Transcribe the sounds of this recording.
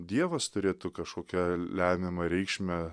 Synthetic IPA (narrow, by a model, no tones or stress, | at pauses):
d̪ʲiɛʋɐst̪ʊɾʲeːt̪ʊkɐʃkoːkʲɛlʲæːmʲɪmɐɾʲɛɪkʃʲmʲɛ